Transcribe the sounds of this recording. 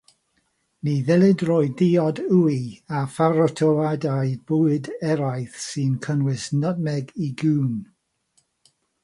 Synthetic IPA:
niðɛlˠɪdroːɨdiɔduiafaɾɔtʰɔladajb̥uɨdɛɾajθsɨnkʰənwɪsnɔd̚mɛɡiɡuːn

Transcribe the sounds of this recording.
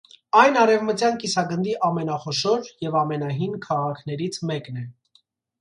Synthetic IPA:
ɑjnɑɾɛvmət͡sjɑnkisɑɡənd̪iʔɑmɛnɑχɔʃɔɾjɛvɑmɛnɑɦinkʰɑʁɑkʰnɛɾit͡sʰmɛknɛ

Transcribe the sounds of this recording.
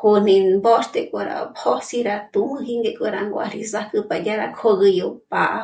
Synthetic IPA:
konĩmbost̪ekʼaɾa̰phosiɾat̪umɨ̃ɦiŋɡekʼoɾaŋɡʷa̰ɾisahkɨpajaɾakʰoɣɨjopaʔ

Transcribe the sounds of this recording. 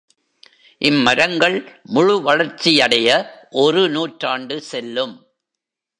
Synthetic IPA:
ʔɪmːɐɾɐŋɡɐɭmʊɻʊʋɐɻɐɾt͡ʃːijɐɽɐjɐʔɔrɯnuːʈɾaːɳɖɯsɛlːɯm

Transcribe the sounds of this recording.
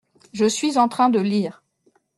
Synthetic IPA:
ʒəsɥizɑ̃t̪χɛ̃d̪əliːʁ

